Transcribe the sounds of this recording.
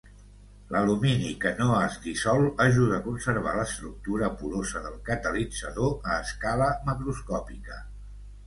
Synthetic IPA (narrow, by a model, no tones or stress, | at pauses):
ləluminikənoəzðisɔlˠəʒuð̞əːkunsəɾβ̞a̰ləst̪ɾuk̚t̪uɾəpuɾozəðəlˠkət̪əlid͡zəðoəːskaləməkɾuskɔpikə